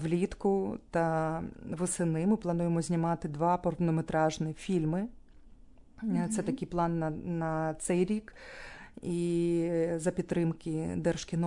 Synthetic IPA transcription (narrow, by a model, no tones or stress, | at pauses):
ʋlʲit̪kʊt̪ɐʋɔsɪnɪmɪplˠɐnujemɔzʲnʲɪmɑt̪ɪd̪ʋɑpɔrt̪nɔmet̪ɾɑʒnɪfʲilʲmɪ | t̪sɛt̪ɐkɪjplˠɑnːɐnɐt̪sɛjɾʲik | i | zɐpʲit̪t̪ːɾɪmkɪd̪ɛrʃkʲɪnɔ